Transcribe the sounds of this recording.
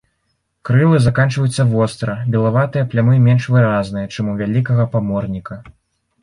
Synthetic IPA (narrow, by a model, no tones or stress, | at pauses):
kɾɨlˠɨzakant͡ʂvɐjut̪sːɐvɔst̪ɾɐbʲɛlˠavat̪ɨjɐplʲamɨmʲɛnʂvɨɾaznɨjɐt͡ʂɨmuvʲalʲikɐɣɐpamɔrnʲikɐ